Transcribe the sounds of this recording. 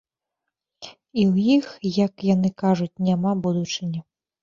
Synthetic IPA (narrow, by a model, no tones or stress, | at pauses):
iwjixjɐkjanɨkaʐut͡sʲnʲamabud̪ut͡ʂɨnʲɐ